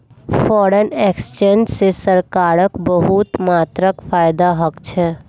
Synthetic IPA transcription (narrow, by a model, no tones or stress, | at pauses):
fɔːɾəneːkst͡ʃẽːnd͡ʒsesəɾkaːɾəkbəɦut̪maːt̪ɾəkfʰaːjd̪aɦəkt͡ʃʰɛː